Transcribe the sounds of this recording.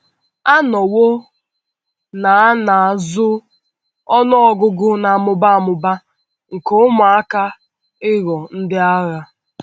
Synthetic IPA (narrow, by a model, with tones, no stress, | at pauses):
a˦nɔ˨wo˦ | na˨a˦na˨a˨zʊ˦ | ɔ˦nʊ˦ɔ˨ɡʊ˦ɡʊ˦na˨a˨mʊ˨ba˦a˨mʊ˨ba˦ | ŋ̩˨ko˨˦ma˨a˦ka˦ | ɪ˦ɣɔ˨n̩˦dɪ˦a˦ɣa˦